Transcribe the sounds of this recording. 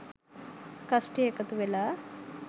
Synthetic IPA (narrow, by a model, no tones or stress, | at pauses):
kɐsʈiekɐt̪uʋela